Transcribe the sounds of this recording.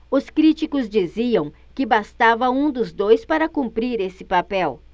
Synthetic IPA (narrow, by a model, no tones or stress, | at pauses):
ʊskɾit͡ʃikʊzd͡ʒiziɐ̃w̃ | kɪbast̪avɐũd̪ʊzd̪ojspaɾɐkũmpɾiɾesɪpapɛw